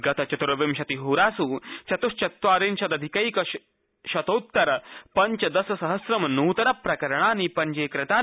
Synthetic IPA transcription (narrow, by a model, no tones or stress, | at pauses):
ɡɐt̪ɐt͡ʃɐt̪ɾɐʋimʃɐt̪iɦuːɾaːsuːt͡ʃɐt̪uʃt͡ʃɐt̪ʋaːɾinʃɐt̪ɐd̪ʱikɐjkɐ | ʃɐt̪oːt̪ːɐɾɐpɐɲt͡ʃɐd̪ɐsɐsɐɦɐsɾɐmɐnuːt̪ɐɾɐpɾɐkɐɾɐɳ̃aːnipɐɲd͡ʒeːkɾɪt̪aː